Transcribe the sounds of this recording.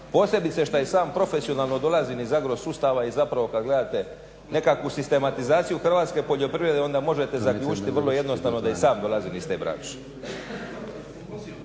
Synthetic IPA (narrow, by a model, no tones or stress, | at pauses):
po̞ːse̞bit̪se̞ʃt̪ajesaːmpɾo̞fe̞sio̞naːlˠno̞d̪o̞lazinizaɡɾo̞zsust̪aʋaizapɾaʋo̞kad̪ɡle̞d̪aːt̪e̞ | ne̞kakʋusist̪e̞mat̪izaːt̪sijuxr̩ʋaːt̪ske̞po̞ʎo̞pɾiʋɾed̪eo̞nd̪amo̞ʒe̞t̪e̞zakʎʲuːt͡ʃi̥t̪iʋər̩lˠo̞je̞d̪no̞st̪aʋno̞d̪ajesaːmd̪o̞lˠazinist̪eːbɾa̰ːt͡ʃe̥